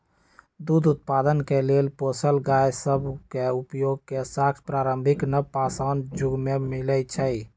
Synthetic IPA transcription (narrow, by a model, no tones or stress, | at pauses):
d̪ud̪ut̪̚pad̪ənkelelposəlɡajsəbʱkeupjoɡ̚kesak̪ʰpɾaɾəmbʱiknəpasənd͡ʒuɡmemilət͡ʃʰəj